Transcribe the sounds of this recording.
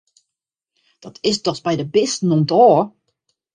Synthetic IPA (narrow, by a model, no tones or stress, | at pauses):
d̥ɔtʰɪsdɔsbɛjdəbɪstnontɔː